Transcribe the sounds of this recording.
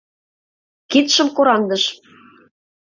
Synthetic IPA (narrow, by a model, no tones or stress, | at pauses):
kit̪ʃə̆mkoɾɑnd̪ɤ̆ʃ